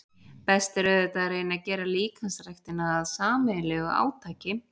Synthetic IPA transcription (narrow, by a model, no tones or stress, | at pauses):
pɛst̪ɛɾœðʏt̪aðɾeːjnacɛːɾaliːkʰansɾajxt̪ɪnaðaðsaːmɪlɛɣʏa̰ːwt̪ʰaːcɪ